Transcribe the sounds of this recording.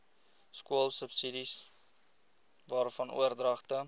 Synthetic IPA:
skuəlˠsəpsidis | vɑːrfɐnʔṵərdrɐχtə

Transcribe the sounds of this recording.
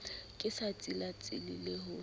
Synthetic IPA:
kʼɪsat͡sʼilat͡sʼɪ̰lileɦʊ

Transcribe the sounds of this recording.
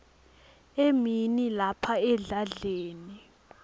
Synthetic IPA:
eminilapʰaɛɮaɮeːni

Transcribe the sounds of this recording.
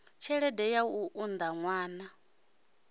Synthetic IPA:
t͡ʃʰɛɺɛdɛjauʔund̪aŋwaːna

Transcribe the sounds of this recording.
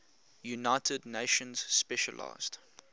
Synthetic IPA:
junaɪtʰədneɪʃə̃nz̥spɛʃə̰lʔa̰ɪz̥d

